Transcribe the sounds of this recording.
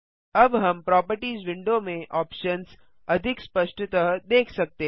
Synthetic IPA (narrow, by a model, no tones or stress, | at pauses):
ɐbɦɐmpɾɔːpəɾʈiːzʋɪ̃ɳɖomẽʔɔːpʃəns | ɐd̪ʱɪkspɐʃʈʰt̪əɦəɦd̪eːkʰsɐk̚t̪e